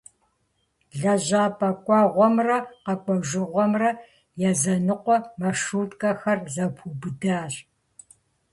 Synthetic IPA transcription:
ɮɐʑaːpʼɐkʷʼɑːʁʷɔmrɐqɐkʷʼɔʒɨʁʷɔmrɐ | jɛzɐnɨqʷɔmɐʂuːtʼkʼɐxɐrzɐpʷʰuːbɨdaːr

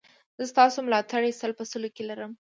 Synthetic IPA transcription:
z̥əst̪ɑsomlɑt̪aɽesəlpəsəlokelaɾəm

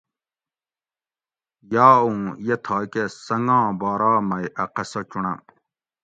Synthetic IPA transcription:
jaːũjet̪ʰaːkesɐŋɡãːbaːɾaːmɐjɐqɐsɐt͡ɕuɳɐ

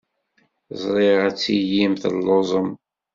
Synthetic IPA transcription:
zˤɾˤeʁæt͡sːijimθə̰lːozˤəm

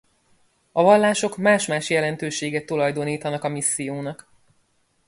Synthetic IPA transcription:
ɒvɒlːaːʃo̞kmaːʃmaːʃjɛlɛnt̪øːʃeːɡɛt̪ːulɒjd̪o̞niːt̪ɒnɒkɒmisːijoːnɒk

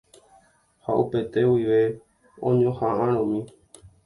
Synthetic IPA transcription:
ha̰ʔupe̞t̪e̞wiʋe̞ | õ̰ɲõhãʔãɾ̃õmĩ

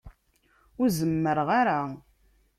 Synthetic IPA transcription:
ʊɾzəmːəɾʁaɾa

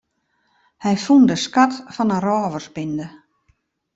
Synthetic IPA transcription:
hɛjfundəskatfɔnərɔːʋərsbində

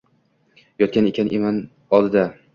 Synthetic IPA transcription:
jɒt̪̚kʲanekʰʲanʔeman | ɒlˠd̪ɪd̪a

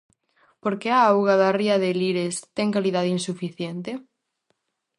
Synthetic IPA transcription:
poɾkeaawɣaðariɐðeliɾest̪ɛŋkaliðaðeinsufiθjent̪e

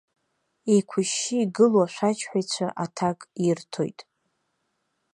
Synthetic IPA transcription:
ikʷʰʊʃːiːɡɨloaʃᶣʷat͡ʃʰħʷajt͡ɕʷʰaʔatʰakʼirtʰo̞̰jtʼ

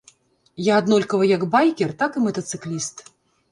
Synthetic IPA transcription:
jaːd̪nɔlʲkɐvɐjaɡbajkʲɛrt̪akɨmɐt̪ɐt̪sɨklʲist̪

